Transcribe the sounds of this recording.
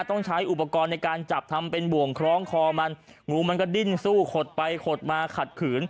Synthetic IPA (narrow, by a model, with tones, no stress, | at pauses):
t̪ɔ˥˩ŋt͡ɕʰa˦˥jʔu˨˩pa˧kɔː˧nːa˧jkaː˧nt͡ɕa˨˩p̚t̪ʰa˧mpe˧nbu˨˩əŋkʰɾɔː˦˥ŋkʰɔː˧ma˧n | ŋuː˧ma˧nkɔː˥˩di˥˩nsuː˥˩kʰo˨˩t̪̚pa˧jkʰo˨˩t̪̚maː˧kʰa˨˩t̪̚kʰɯː˩˦n